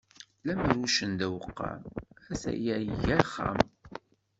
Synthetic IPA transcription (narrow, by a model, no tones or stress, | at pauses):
læməɾuʃənd̪æwəqːɑ̰æθæ̰jæjəʝæχːa̰m